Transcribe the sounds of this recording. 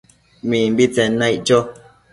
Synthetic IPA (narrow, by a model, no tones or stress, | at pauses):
mim̩bit͡sɛnãjʔd͡ʒo